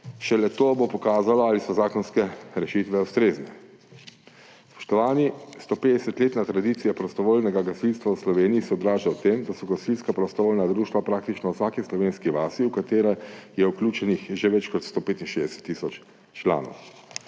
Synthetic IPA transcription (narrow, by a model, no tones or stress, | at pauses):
ʃɛlɛt̪oːbopɔkaːzalɔalisɔzaːkɔnskɛɾɛʃit̪ʋɛust̪ɾeːznɛ | spɔ̥ʃt̪ɔʋaːnist̪opeːd̪ɛsɛt̪leːt̪nat̪ɾad̪iːt̪sijapɾɔst̪ɔʋoːlnɛɡaɡasilst̪ʋawslɔʋeːnijisɛɔd̪ɾaːʒawt̪emd̪asɔɡasilskapɾɔst̪ɔʋoːlnad̪ɾuːʃt̪ʋapɾaːk̚t̪it͡ʃnɔwsaːkislɔʋeːnskiʋaːsiukat̪eːɾɛjɛuklʲuːt͡ʃɛnixʒeʋɛt͡ʃkɔt̪st̪oːpeːt̪inʃeːzd̪ɛsɛ̥t̪ːiːsɔt͡ʃ | t͡ʃla̰ːnɔ̰w